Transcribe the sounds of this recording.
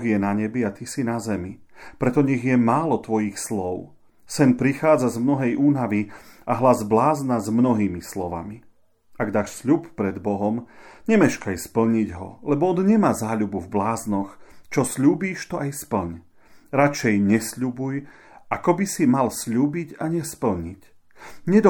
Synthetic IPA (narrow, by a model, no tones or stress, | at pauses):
ɣjɛnaɲɛbiat̪isinazɛmipɾɛt̪ɔɲɛɣjɛmaːlɔt̪ʋɔjixslɔʊ | sɛnpɾixaːd͡zazmnɔɦɛjʔuːnaʋiaɦlazblaːznazmnɔɦiːmislɔʋa̰mi | aɡd̪aːʃsʎuppɾɛd̪bɔɦɔmɲɛmɛʃkajspl̩ɲiɟɦɔ̰lɛbɔɔd̪ɲɛmaːzaːʎubuvblaːznɔxt͡ʃɔsʎuːbiːʃt̪ɔʔajspl̩ɲ | ɾat͡ʃɛjɲɛsʎubuj | akɔbisimalsʎuːbiɟaɲɛspl̩ɲic | ɲɛd̪ɔ